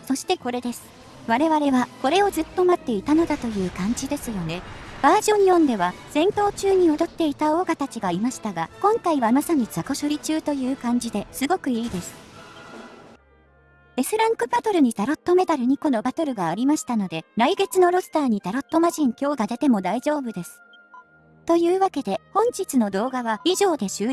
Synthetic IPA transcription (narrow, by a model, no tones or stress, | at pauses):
so̞ɕi̥t̪e̞ko̞ɾe̞d̪e̞sɨ̥ | βaɾe̞βaɾe̞βako̞ɾe̞o̞zɨt̪ːo̞mat̪ːe̞it̪ano̞d̪at̪o̞jɯ̟ːkãɲ̟d͡ʑid̪e̞sɨjo̞ne̞b̥aːʑõ̞ɲ̟iõnd̪e̞βaz̥ẽ̞nt̪o̞ːt͡ɕɨːɲ̟io̞d̪o̞t̪ːe̞it̪ao̞ːɡat̪at͡ɕiɡaimaɕi̥t̪aɡakõ̞ŋkaiβamasaɲ̟izako̞ɕo̞ɾʲit͡ɕɨːt̪o̞jɯ̟ːkãɲ̟d͡ʑid̪e̞sɨɡo̞kɯ̟iːd̪e̞sɨ̥ | e̞sɨɾãŋkɯ̟bat̪o̞ɾɯ̟ɲ̟it̪aɾo̞t̪ːo̞me̞t̪aɾɯ̟ɲ̟iko̞no̞bat̪o̞ɾɯ̟ɡaːɾʲimaɕi̥t̪ano̞d̪e̞ɾaiɡe̞t͡sɨno̞ɾo̞sɨ̥t̪aːɲ̟it̪aɾo̞t̪ːo̞maʑĩŋkʲo̞ːɡad̪e̞t̪e̞mo̞d̪aid͡ʑo̞ːbɯ̟d̪e̞sɨ̥ | t̪o̞jɯ̟ːβake̞d̪e̞hõ̞ɲ̟t͡ɕit͡sɨno̞d̪o̞ːɡaβaiʑo̞ːd̪e̞ɕɨː